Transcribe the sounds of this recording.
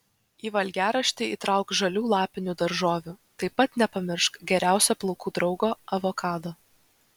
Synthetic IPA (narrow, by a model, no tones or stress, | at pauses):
iːʋɐlʲɡʲæːɾɐʃʲt̪ʲɪiːt̪ɾɑˑʊkʒɐlʲuːlˠɑːpʲɪnʲuːd̪ɐɾʒoːʋʲuːt̪ɐɪpːɐt̪nʲɛpɐmʲɪɾʃkɡʲɛɾʲæˑʊsʲoːplˠɒʊkuːd̪ɾɒʊɡoːɐʋokɑːd̪oː